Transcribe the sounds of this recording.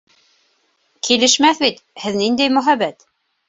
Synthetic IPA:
kʰilɘ̆ʃmæθbit̪hɘðnind̪æjmɵ̆ɦæβæt̪

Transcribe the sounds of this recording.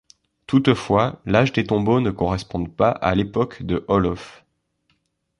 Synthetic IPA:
t̪ut̪fwalaʒd̪et̪ɔ̃bonəkɔʁɛspɔ̃d̪paʔa̰lepɔkd̪əʔɔlɔf

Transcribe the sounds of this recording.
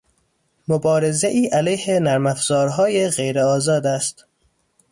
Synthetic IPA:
mobɒːɾe̞zeʔiːʔælæjhenæɾmæfz̥ɒːɾɦɒːjeɣejɾeɒːzɒːd̪æst̪

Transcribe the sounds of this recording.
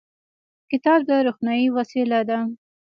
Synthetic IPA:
kɪt̪ɑb̚d̪əɾuxnɑjiwasilad̪a

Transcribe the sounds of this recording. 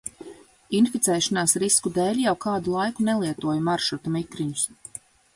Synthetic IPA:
infit̪sɛːʃanaːsɾiskud̪eːlʲjawkaːd̪ulˠajkunɛlˠiɛt̪uɔjmaɾʃut̪amikɾiɲus

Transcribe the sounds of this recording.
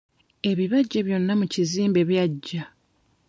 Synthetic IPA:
e̞βiβaɟːeβjo̞nːamuciziːmbe̞βjaɟːa

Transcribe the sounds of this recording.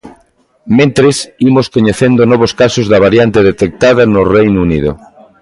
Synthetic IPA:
mẽnt̪ɾesimoskoɲeθend̪onɔβ̞oskasozðɐβ̞aɾjant̪eðet̪ek̚t̪að̞ɐnʊrejnunḭðo̰

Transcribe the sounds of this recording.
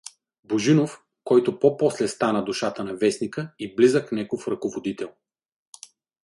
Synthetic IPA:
boʒinof | kɔjt̪ʊpɔpɔslɛst̪anəd̪ʊʃat̪ənɐvɛsnikəiblizəknʲɛkofɾɐkovod̪it̪ɛlˠ

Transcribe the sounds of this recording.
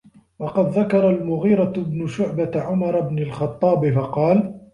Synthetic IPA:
wɑqɑd̪ðakɑɾˤɑlmʊɣiːɾɑbnʊʃʊʕbaʕʊmɑɾˤabnɪlxɑt̪ˤːɑːbɪfɑqɑːl

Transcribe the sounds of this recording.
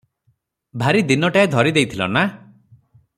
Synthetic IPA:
bʱaɾid̪inɔʈaed̪ʱɔɾid̪ejt̪ʰilɔ̰na

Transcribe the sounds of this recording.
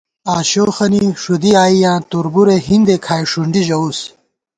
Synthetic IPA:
aːɕoːxɐniʂud̪iaːijãːt̪uɾbuɾeɦind̪ekʰaːjʂuɳɖiʑɐus

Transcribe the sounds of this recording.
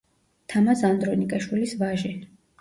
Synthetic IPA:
t̪ʰamasand̪ɾɔnikʼaʃwilisvaʒɛ

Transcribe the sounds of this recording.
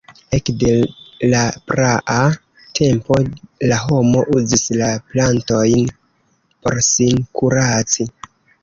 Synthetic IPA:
e̞kde̞lapɾaʔa | tʰe̞mpo̞laɦo̞mo̞ʔuzislaplanto̞jn | po̞ɾsinkuɾat͡si

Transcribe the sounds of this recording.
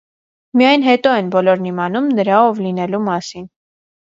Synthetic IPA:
mijɑjnɦɛt̪ɔɛnbɔlɔɾnimɑnumnəɾɑɔvlinɛlumɑsin

